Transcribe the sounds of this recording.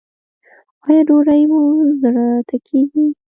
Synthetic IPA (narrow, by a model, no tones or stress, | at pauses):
ɑjɑɖoɾajmozɾat̪akʰeɡi